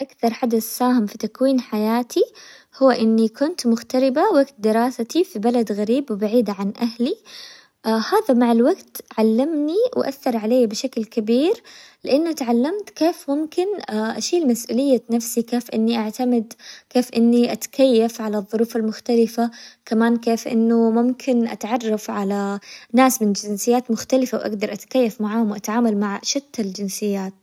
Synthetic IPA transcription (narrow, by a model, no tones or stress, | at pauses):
ʔakθɑɾˤħad̪aθːaːhɪmfit̪akwiːnħajaːt̪ʰihʊwːaʔɪnːikʊnt̪mʊxt̪aɾɪbawaɡt̪̚d̪ɪɾɑːsat̪ifibalad̪ɣaɾiːbwɪbaʕiːd̪aʕanʔahli | ʔhaːðamaʕalwaɡt̪ʕalːamniw̰ʔa̰θːɑɾˤʕaleːabɪʃaklkabiːɾlɪʔanːʊt̪ʕalːamt̪keːfmʊmkɪnaʔaʃiːlmasʔṵːlɪjːanafsikeːfʔɪ̰nːiʔaʕt̪amɪd̪keːfʔɪnːiʔat̪kajːafʕalaðˤːʊɾuːfalmʊxt̪alɪfakamaːnkeːfʔɪ̰nːʊmʊmkʰɪnʔa̰t̪ʕɑrˤːɑfʕalanaːsmɪnd͡ʒɪnsɪjːaːt̪mʊxt̪alɪfawʔa̰ɡd̪ɑɾˤʔat̪ḁkajːafmaʕaːhʊmwʔat̪ʕaːmalmaʕʃɪt̪ːald͡ʒɪnsɪjːaːt̪̚